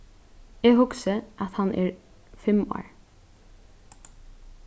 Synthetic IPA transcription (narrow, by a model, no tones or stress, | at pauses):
ɛːhʊksəʔat̪hanʔɛ̰ɹ | fɪmo̰ːɹ